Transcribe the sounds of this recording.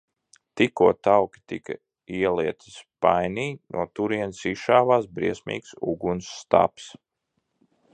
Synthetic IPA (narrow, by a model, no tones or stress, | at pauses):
t̪ikuɔt̪awkʲi̥t̪ikɐ̰ | iɛlˠiɛt̪i̥spajniːnʔṵɔt̪uɾiɛnsiʃaːvaːsbɾiɛsʲmḭːksṵɡunsːt̪a̰ps